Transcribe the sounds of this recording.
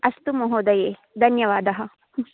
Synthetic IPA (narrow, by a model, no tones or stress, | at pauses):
ɐst̪umoɦoːd̪ɐjeː | d̪ʱɐnjɐʋaːd̪ɐɦɐ